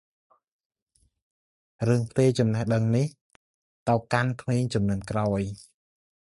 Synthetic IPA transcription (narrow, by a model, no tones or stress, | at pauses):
rɨəŋpʰt̪eːt͡ɕɑmnəhɗəŋnih | t̪awkankʰmeːɲt͡ɕumnɨənkraɔj